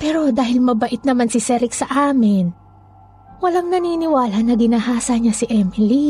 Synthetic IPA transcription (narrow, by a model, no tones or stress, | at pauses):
pɛːɾo̞d̪aːhɪlmɐbɐʔɪt̪̚nɐmansɪsɛɾɪksɐʔaːmɪn | wɐlaŋnɐniːnɪwaːlɐnɐɡɪnahaːsɐɲasɪʔɛmɪli